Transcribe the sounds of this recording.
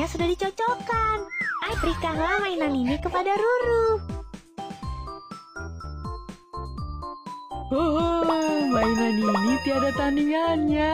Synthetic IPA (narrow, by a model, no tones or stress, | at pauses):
asudahdit͡ʃɔt͡ʃɔkanaibəɾikanlahmainaninikəpadaɾuɾu | hoɦomainaninit̪iadat̪anianɲa